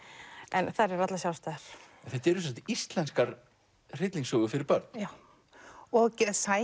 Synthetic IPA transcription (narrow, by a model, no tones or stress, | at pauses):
ɛnθaɾɛɾat̪lasjawst̪aɾ̥ɛnθɛht̪ɛɾʏsɛs̬at̪ɪist̪lɛnskaɾ | r̥ɪt̪liŋsɔːɣʏfɪɾɪɾpœɾt̪na | ɔɣcɛsa